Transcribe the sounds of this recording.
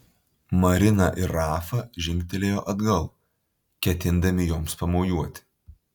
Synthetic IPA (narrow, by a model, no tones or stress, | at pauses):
mɐɾʲɪnɐʔɪɾːɑːfɐʒʲɪŋʲk̚ʲt̪ʲɛlʲeːjoːʔɐd̪ɡɐlˠ | kʲɛt̪ʲɪnd̪ɐmʲɪjoːmspɐmoːjuɔt̪ʲɪ̥